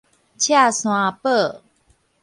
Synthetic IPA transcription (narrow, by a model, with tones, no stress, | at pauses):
t͡ɕʰja˥˨sw̃ã˧pə˥˨